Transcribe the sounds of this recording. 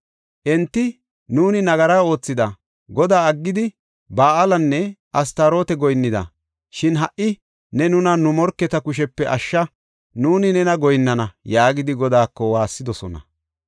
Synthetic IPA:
ʔɛnt̪ːɪ | nuːnɪnɐɡɐɾaːo̞ːt͡sːɪd̪ɐ | ɡɔd̪aːɐɡːɪd̪ɪ | baːɐlɐnːɛʔɐst̪ɐɾo̞ːt̪ɛɡɔjnːɪd̪ɐ̰ | ʃɪnɦɐʔɪ | nɛnʊnɐnʊmɔɾkːɛt̪ɐkʊʃ̬ɛpːɛʔɐʃːɐ | nuːnɪnɛnɐɡɔjnːɐnɐjaːɡɪd̪ɪɡɔd̪aːkːɔwaːsːɪd̪ɔsɔnɐ̰

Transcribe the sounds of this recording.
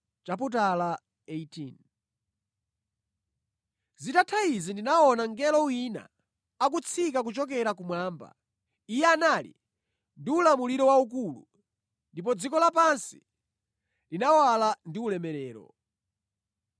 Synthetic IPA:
t͡ʃaput̬ala | eitʰin | zitatʰaizindinaɔnaŋɡɛlɔwina̰ | ak̬ut͡sʰikak̬ut͡ʃɔk̬ɛɾakumwaːmba̰ | ijɛanalḭ | ndiulamuliɾɔwauk̬ulu | ndipɔd͡zikɔlapansi̥ | linawalandiulɛmɛɾɛːɾɔ̰

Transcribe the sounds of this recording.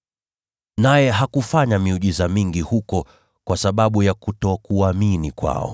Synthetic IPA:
najɛɦakufaɲamiuʄizamiŋɡihukɔ | kwasaɓaɓujakutɔkuaminikwa̰ɔ̰

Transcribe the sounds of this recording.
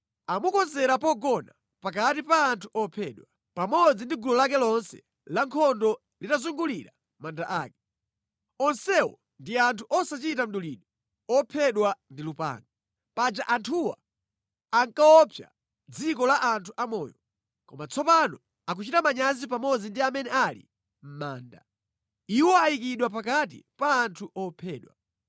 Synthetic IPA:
amukɔnzɛɾapɔɡɔna | pak̬atipaːntʰuʔɔpʰɛɗwa | pamɔd͡zindiɡulɔlak̬ɛlɔnsɛ̰ | laŋkʰɔndɔ | litazuŋɡuliɾa | mandaʔaːkɛ̥ | ɔnsɛwɔ̰ | ndiantʰuʔɔsat͡ʃitam̩ɗuliɗɔ | ɔpʰɛɗwandilupa̰ŋɡa | pad͡ʒaʔantʰuwa̰ | aŋkaɔpʰja̰ | d͡zikɔlaʔantʰuʔamɔ̰ːjɔ | kɔmat͡sʰɔpanɔ | ak̬ut͡ʃitamaɲazip̬amɔd͡zindiamɛnɛalḭ | m̩maːnda̰ | iwɔajikiɗwap̬akatḭpaːntʰuʔɔpʰɛːɗwa̰

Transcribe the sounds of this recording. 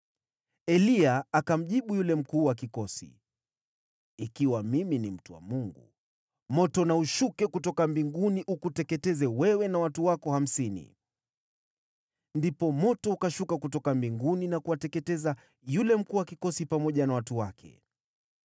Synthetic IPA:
ɛliaakam̩ʄiɓujulɛm̩kuːwak̬ikɔsḭ | ikiwamiminim̩tuwa̰muŋɡṵ | mɔtɔnauʃukɛkutɔkambiŋɡuniʔukutɛkɛtɛzɛwɛwɛnawatuwakɔham̩sinḭ | ndipɔmɔtɔukaʃukakutɔkambiŋɡuninakuwatɛkɛtɛza | julɛm̩kuːwakikɔsipamɔʄanawatuwakʰɛ̰

